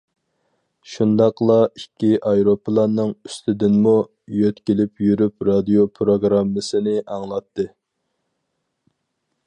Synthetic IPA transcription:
ʃund̪ɑqlˠɑikʲʰːiʔɑjɾopʰɨlˠɑnːɨŋyst̪ʰɪd̪ɪnmu | jøt̪kʲilɪpjyɾypɾɑd̪ijopʰɾoɡɾɑmːɨsɨnɪʔɑŋlˠɑt̪ːɨ

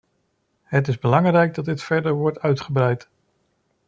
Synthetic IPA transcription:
ɦətɪzbəlɑŋrɛjɡ̚dɑd̚dɪtfɛɹdəɹʋɔɹtœɥtχəbrɛjt

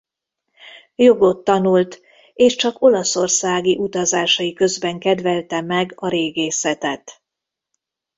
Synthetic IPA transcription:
jo̞ɡo̞t̪ːɒnult̪ | eːʃt͡ʃɒko̞lɒso̞rsaːɡiʔut̪ɒzaːʃɒjikø̞zbɛŋkɛd̪vɛlt̪ɛmɛɡɒɾeːɡeːsɛt̪ɛt̪

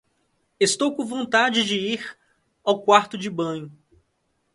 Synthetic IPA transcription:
est̪owkõvõnt̪ad͡ʒɪd͡ʒɪiɾ | awkwaɾt̪ʊd͡ʒɪbɐ̃ɲʊ

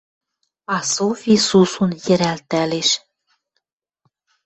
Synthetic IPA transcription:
ɑsofisusunjɘ̆ɾælt̪æleʃ

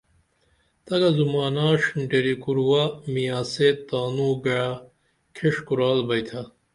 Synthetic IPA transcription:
t̪ɐɡɐzumaːnaːʂnɖeɾikuɾuwamijaːset̪ːaːnuːɡɐɻa | kʰeʂkuɾaːlbɐjt̪ʰɐ

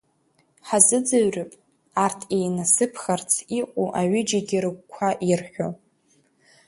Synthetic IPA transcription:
ħazɨd͡zɨɥrɨpʼ | artʰejnasɨpʰχart͡sʰiqʷʼṵʔaɥʏd͡ʒaɡʲiɾɨɡʷkʷʰaʔirħʷᶣo̰

